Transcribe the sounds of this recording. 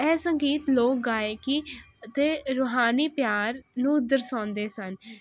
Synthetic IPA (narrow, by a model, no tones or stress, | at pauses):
ɛːsəŋɡiːt̪loːk̚ɡaːeːkɪ | ət̪eːɾoːɦaːniːpjaːɾnũːd̪əɾsãːnd̪eːsən